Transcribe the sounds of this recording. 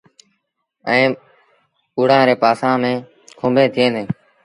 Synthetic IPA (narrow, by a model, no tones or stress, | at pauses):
ɛ̃ː | ʊːɽãːɾeːpaːsãːmẽː | kʰõːmbʱẽːt̪ʰɪẽːnẽː